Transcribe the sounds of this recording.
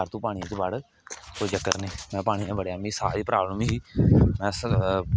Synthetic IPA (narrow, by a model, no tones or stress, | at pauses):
ɾt̪ũːpaːɽ̃ĩːt͡ʃebəɽ | koːid͡ʒəkːəɾniːmɛ̃ːpaːɽ̃iːãːbəɽjaːmĩːsa̰ːɾiːpɾaːbləmiɦiːmɛ̃ːs